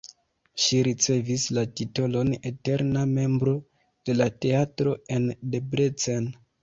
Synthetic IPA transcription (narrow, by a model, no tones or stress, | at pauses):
ʃiɾit͡se̞vislatito̞lo̞ne̞te̞ɾname̞mbɾo̞ | d̥e̞late̞atɾo̞e̞nde̞bɾet͡sen